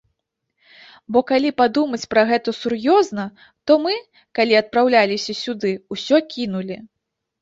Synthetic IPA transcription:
bɔkalʲipad̪umɐt͡sʲpɾɐɣɛt̪ɐsurjɔznɐ | t̪ɔmɨ | kalʲiɐt̪̚pɾawlʲalʲisʲɐsʲud̪ɨusʲɔkʲinulʲi

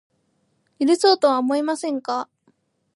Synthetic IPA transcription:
iɾɯso̞ːt̪o̞βaomo̞imasẽ̞ŋka

